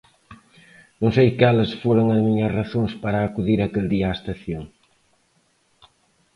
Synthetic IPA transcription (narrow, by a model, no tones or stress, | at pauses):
nõŋsejkɛlɐsfoɾoŋɐzmiɲɐraθoŋspaɾaːkuðiɾɐkeld̪iast̪ɐθjoŋ